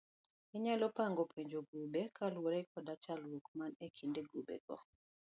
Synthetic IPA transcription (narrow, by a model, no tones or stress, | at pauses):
ɛɲalɔpaŋɡɔpʰeɲd͡ʒoɡubekalwoɾɛkʰɔdat͡ʃalwokmanekʰindeɡubḛɡ̥ɔ̰